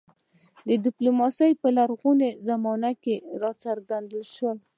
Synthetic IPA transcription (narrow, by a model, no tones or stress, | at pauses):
d̪əd̪ɪplumɑsəjpəlaɾɣunezamɑnakeɾɑt͡səɾɡand̪əlʃwəl